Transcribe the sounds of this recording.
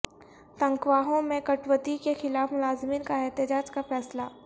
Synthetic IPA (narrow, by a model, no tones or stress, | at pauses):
sɐ̃ŋkʋaːɦõmẽkɐʈwət̪ikexɪlaːfmʊlaːzmiːnkaɛɦt̪əd͡ʒaːd͡ʒkafɛːslaː